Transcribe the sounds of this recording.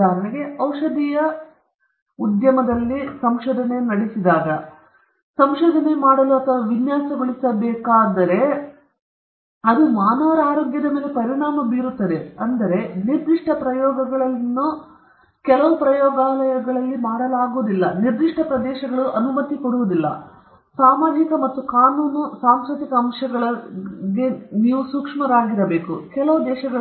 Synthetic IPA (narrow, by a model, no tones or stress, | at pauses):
aːɾɐɳeɡe̞ɐwʂɐd̪ijɐ | ud̪jɐmɐd̪ɐlːisɐmʃoːd̪ʱɐne̞nɐɽisid̪aːɡɐ | sɐmʃoːd̪ʱɐnemaːɽɐluɐt̪ʰɐʋɐʋinjaːsɐɡoɭisɐbɛːkaːd̪ɐɾe̞ | ɐd̪umaːnɐʋɐɾaːɾoːɡjɐd̪ɐmeːle̞pɐɾiɳaːmɐbiːɾut̪ːɐd̪e̞ɐnd̪ɐɾe̞niɾd̪iʂʈʰɐpɾɐjɔːɡɐɡɐɭɐlnːu | kɛlɐʋupɾɐjɔːɡaːlɐjɐɡɐɭɐlːimaːɽɐlaːɡuʋud̪ilːɐniɾd̪iʂʈʰɐpɾɐd̪ɛːʃɐɡɐɭuʔɐnumɐt̪ːikoɽuʋud̪ilːɐ̰ | saːmaːd͡ʒikɐmɐt̪ːukaːnuːnusaːmskɾut̪ikɐːmʂɐɡɐɭɐɡe̞niːʋusuːkʂmɐɾaːɡiɾɐbeːkukɛlɐʋud̪ɛːʃɐɡɐɭ